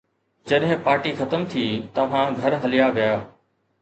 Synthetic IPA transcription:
d͡ʑɐɗɦɪ̃paːɾʈixɐt̪əmt̪ʰiːt̪ɐʋ̤ãɡʱɐɾɦɐlɪjaʋijaː

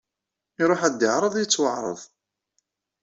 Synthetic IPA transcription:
iɾˤoħæd̪ːəʕɾˤəðˤjət͡sːwəʕɾˤə̰ðˤ

